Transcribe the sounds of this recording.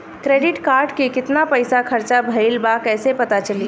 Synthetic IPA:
kɾeɖɪʈkaɾɖkekɪt̪napəjsakʰəɾt͡ʃabʱəɪlbakɛːsepət̪at͡ʃəli

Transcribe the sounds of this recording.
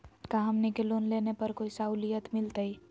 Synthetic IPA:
kãɦəmnekeloːnleːnepɐɾkoːisaulijət̪mɪlt̪əi

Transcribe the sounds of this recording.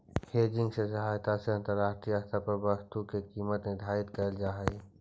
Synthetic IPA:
heːd͡ʒɪ̃ŋɡsesɐɦaːjt̪aseɐ̃nt̪əɾːaːʃʈɾijəst̪ʰapɐɾbəst̪ukekiːmət̪nɪd̪ʱaːɪt̪kəld͡ʒaːɦɛe

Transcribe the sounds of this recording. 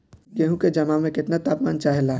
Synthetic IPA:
jeɦũked͡ʒɐmamẽkɪt̪nat̪aːpmaːnt͡ʃaːɦelaː

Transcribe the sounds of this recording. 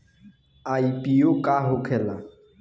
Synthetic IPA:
aipʼiokʼaɦʊkʰɛla

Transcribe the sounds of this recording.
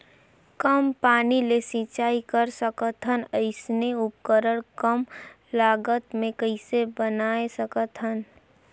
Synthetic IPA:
kəmpaːnilesĩt͡ʃaːikəɾsəkət̪ʰɦənəɪsneʊpkəɾəɽ̃kəm | laːɡət̪mẽkəɪsebənaːesəkət̪ʰən

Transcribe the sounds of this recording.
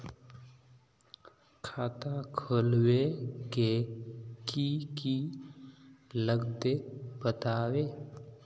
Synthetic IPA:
kʰaːt̪akʰolweke | kiki | ləɡd̪ebət̪aːweː

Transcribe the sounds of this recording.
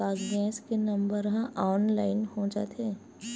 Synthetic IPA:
aːzɡɛ̃ːskenɐ̃mbəɾɦãʔɔːnlaːɪnhõːd͡ʒa̰ːt̪eː

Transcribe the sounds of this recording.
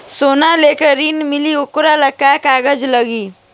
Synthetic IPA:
soːnaleːkəɾiːnmɪliʊkʊɾaləkːakaːɡəd͡ʒləɡiː

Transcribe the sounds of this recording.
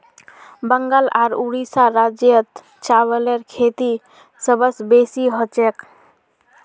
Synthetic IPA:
bəŋɡalaɾuɽisaɾad͡ʒjət̪ | t͡ʃaβəleɾkʰet̪i | səbəsbesiɦot͡ʃek

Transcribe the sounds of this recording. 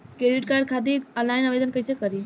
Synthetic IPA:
kɾeɖiʈkaɾɖ̚kʰad̪iəlajnaʋed̪ənkəjsekəɾi

